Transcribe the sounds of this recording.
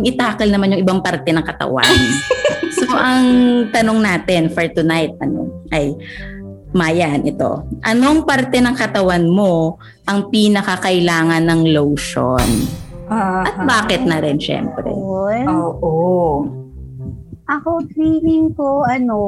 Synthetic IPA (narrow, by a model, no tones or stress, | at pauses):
ŋɪt̪aːkɐlnɐmanjʊŋʔɪbaŋpɐɾt̪ɛnɐŋkɐt̪ɐ̰wa̰nsoʔɐŋt̪ɐno̞ŋnaːt̪ɛnfɛɹt̪ʊnajt̪̚ɐno̰ʔɐj | maːjanʔɛt̪o̞̰ʔɐno̞ʔɐŋpɐɾt̪ɛnɐŋkɐt̪ɐwanmo̞ | ʔɐŋpiːnɐkɐkɐʔɪlaːŋɐnːɐŋlowʃo̰naʔɐt̪̚baːkɛt̪̚nɐɾɪnʃɛ̰mpɾɛ̰oːʔo | ʔɐkotɾiːmɪŋkoɐno